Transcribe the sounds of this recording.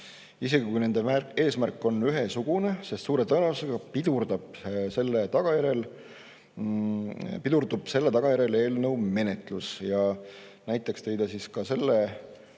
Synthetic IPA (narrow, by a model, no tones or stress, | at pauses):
iseɡ̥ikujne̞nd̪̥emæe̞ːsmærkːˑo̞nyɦesuɡ̥une̞sest̪suːɾe̞t̪ɤnevuse̞ɡ̥ɑpid̪̥urd̪ɑb̥se̞lːet̪ɑɡ̥ɑjæɾe̞l | pid̪̥urd̪ub̥se̞lːe̞t̪ɑɡ̥ɑjæɾe̞le̞ːlnɤwme̞ne̞t̪ˑlusjɑ | næjt̪ːˑekst̪e̞jd̪̥ɑsiskɑse̞lːe